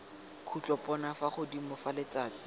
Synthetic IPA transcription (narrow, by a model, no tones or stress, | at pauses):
kʰut͡ɬʼɔpɔnafaχʊdimʊfalet͡saːt͡sɪ̥